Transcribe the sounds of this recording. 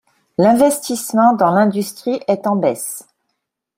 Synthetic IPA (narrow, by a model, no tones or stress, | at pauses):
lɛ̃vɛst̪ismɑ̃d̪ɑ̃lɛ̃d̪yst̪χiʔɛt̪ɑ̃bɛs